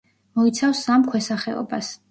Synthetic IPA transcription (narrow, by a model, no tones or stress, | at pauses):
mɔit̪sʰafsamkʰwɛsaχɛɔ̰bas